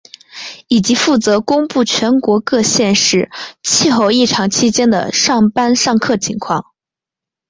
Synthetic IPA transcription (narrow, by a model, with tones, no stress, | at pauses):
i˨˩t͡ɕi˧˥fu˥˩t͡sɤ˧˥kʊ˥ŋpu˥˩t͡ɕʰɥɛ˧˥nkwɔ˧˥kɤ˥˧ɕjɛ˥˧nʂɻ̩˥˩t͡ɕʰi˥˧xo˥˧ʊi˥˩ʈ͡ʂʰɑ˧˥ŋt͡ɕʰi˥t͡ɕjɛ˥nd̪ə̰˨˩ʂɑ˥˩ŋpa˥nʂɑ˥˧ŋkʰɤ˥˩t͡ɕʰi˧˥ŋkʰwɑ̰˥˩ŋ